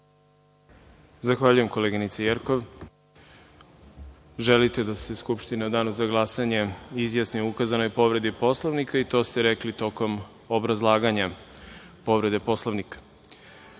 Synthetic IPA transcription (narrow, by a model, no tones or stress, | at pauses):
zaxʋaːʎuje̞mko̞leɡinit̪sajeɾkoʋ | ʒelit̪e̞d̪ast̪e̞skupʃt̪inad̪aːnuzaɡlˠasaɲe̞izjasniuukazano̞jpo̞ʋɾe̞d̪ipo̞slˠoʋnikait̪o̞ːst̪eɾeklit̪o̞ko̞m | obɾazlˠaːɡaɲa | po̞ʋɾe̞d̪e̞po̞sloʋnikḁ